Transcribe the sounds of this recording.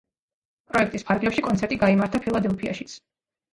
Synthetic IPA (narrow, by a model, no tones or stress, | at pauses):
pʼɾɔɛkʰt̪ʼispʰaɾɡlɛpʃikʼɔnt̪sʰɛɾt̪ʼiɡaimaɾt̪ʰapʰilˠad̪ɛlˠpʰia̰ʃi̥t̪sʰ